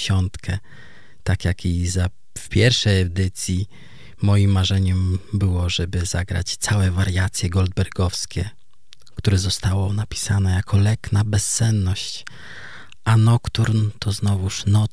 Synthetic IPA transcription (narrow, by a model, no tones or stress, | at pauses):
ɕɔnt̪kʰɛ | t̪akjakʰiza | fpʲjɛɾfʂɛjɛd̪ɘt̪sʲji | mɔjimːaʐɛɲɛmbɘwɔʐɛbɘzaɡɾa̰t͡ɕt̪sawɛvaɾjat̪sʲjɛɡɔld̪̚bɛɾɡɔfskʲɛ | kt̪uɾɛzɔst̪awɔnapʲi̥sanɛjakʰɔlɛknabɛsːɛnːɔɕt͡ɕ | ʔanɔkt̪uɾnt̪ʰɔznɔvuʂnɔ